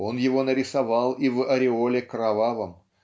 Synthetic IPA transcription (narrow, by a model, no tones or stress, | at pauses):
onjevonɐɾʲɪsɑvɑlˠivɨʔɐɾʲeolʲekrɑvɑvəm